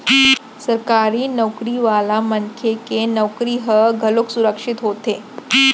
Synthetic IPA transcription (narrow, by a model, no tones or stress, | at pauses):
səɾkaɾiːnəwkɾiʋalamənkʰekenəwkɾiːɦəɡʱəloksuɾəkʂit̪ɦot̪e